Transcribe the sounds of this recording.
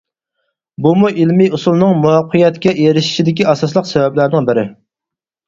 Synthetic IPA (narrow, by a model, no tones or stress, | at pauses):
bumuʔilmiusulˠnɨŋmuɑqʰːəjɛt̪kʲɛjeɾɪʃi̥t͡ʃid̪ɪkʲiɑsɑslˠəqsɛvɛblæɾnɪŋbɪɾɪ